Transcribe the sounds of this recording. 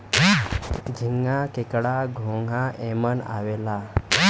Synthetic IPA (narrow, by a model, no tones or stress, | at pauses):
ɡʱiŋɡakekɽaɡʱoŋɡʱãʔeməna̰ʋɛla